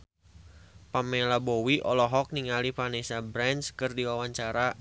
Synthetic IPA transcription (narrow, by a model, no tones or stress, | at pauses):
pamelabowiʔɔlɔɦɔk̚niŋalipanesabɾɛnskɨrdiwawaɲt͡ʃaɾa